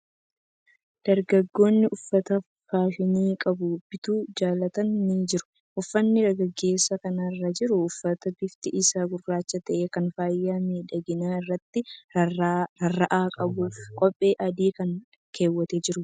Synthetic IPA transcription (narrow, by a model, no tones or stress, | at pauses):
d̪̥ɐɾɡɐɡːo̞ːnːɪʔʊfːɐt̪ɐ | faːʃɪniːkʼɐbʊb̥ɪt̪uːd͡ʒaːlɐt̪ɐnːid͡ʒɪɾʊ̥ | ʔʊfːɐnːɪɾɐɡɐɡːe̞ːsːɐkɐnaɪrːɐd͡ʒɪɾʊʊfːɐt̪ɐbɪft̪ɪʔɪsaːɡʊrːaːt͡ʃːɐt̪ɐʔeːkɐnfaːjːaːmeːᶑɐɡɪnaːɪrːɐt̪ːɪ | ɐrːɐʔaːkʼɐbufkʼɔpʼːe̞ːʔɐd̪iːkɐn | kʰe̞ːwːɐt̪ed͡ʒɪɾʊ